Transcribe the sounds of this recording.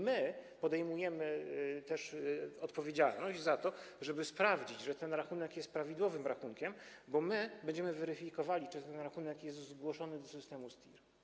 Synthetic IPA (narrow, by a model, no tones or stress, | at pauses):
mɘpɔd̪ɛjmujɛmɘt̪ɛʂɔt̪pɔvʲjed͡ʑalnɔʑd͡ʑzat̪ɔ | ʐɛbɘspɾavd͡ʑid͡ʑʐɛt̪ɛnɾaxunɛkjɛst̪̚pɾavʲid̪wɔvɘmɾaxuŋkʲɛmbɔmɘbɛɲd͡ʑɛmɘvɛɾɘfʲikɔvalʲit͡ʂɛt̪t̪ɛnɾaxunɛkjɛs̬t̪zɡwɔʂɔnɘd̪ɔsɘst̪ɛmust̪ʲiɾ